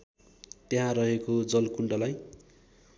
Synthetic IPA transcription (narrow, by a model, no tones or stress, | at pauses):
t̪eɦãrʌɦekod͡zʌlkuɳɖʌlaj